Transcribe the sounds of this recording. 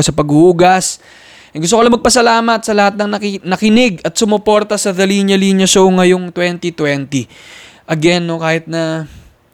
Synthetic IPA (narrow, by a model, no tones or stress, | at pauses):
sɐpɐɡuhuːɡɐs | ʔɡʊs̬t̪okɐlɐmɐɡ̚pɐsɐlaːmɐt̪̚sɐlɐhat̪̚nɐŋnɐknɐkɪnɪɡɐt̪sʊmopo̞ɾt̪ɐsɐðɐliɲjɐliɲjɐʃowŋɐjoŋt̪wɛnt̪it̪wɛnt̪iʔɐɡɛnːo̞kaːhɪt̪̚nɐ